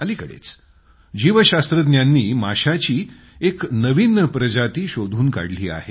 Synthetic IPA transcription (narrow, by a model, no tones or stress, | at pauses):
aliːkəɽḛt͡s | d͡ʑiʋəɕast̪ɾəd̪njanːiːma̰ɕat͡ɕiː | eknəʋiːnːəpɾəd͡ʑat̪iːɕod̪ʱuːnka̰ɽliːa̰ɦe